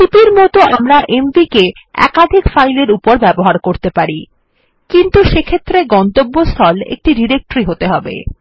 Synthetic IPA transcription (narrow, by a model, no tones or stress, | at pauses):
ipiɾmɔt̪oamɾaʔembike | ɛ̰kad̪ʱikfajleɾupoɾbɛboɦaɾkoɾt̪epaɾi | kint̪uʃekʰet̪ːɾeɡɔnt̪obːost̪ʰɔlḛk̚ʈiɖiɾek̚ʈɾiɦot̪eɦɔbḛ